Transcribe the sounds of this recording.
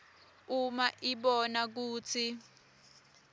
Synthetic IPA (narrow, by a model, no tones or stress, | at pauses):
umaʔiɓɔnak̬uːt͡sʰi